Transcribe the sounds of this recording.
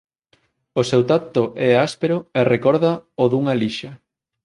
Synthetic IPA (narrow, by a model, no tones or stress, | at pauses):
osewt̪at̪oʔɛaspeɾʊerekɔɾðɐoðuŋɐliʃɐ